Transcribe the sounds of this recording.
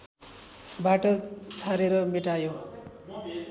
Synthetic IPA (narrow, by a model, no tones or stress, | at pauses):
baʈʌd͡zt͡sʰaɾeɾʌmiʈajo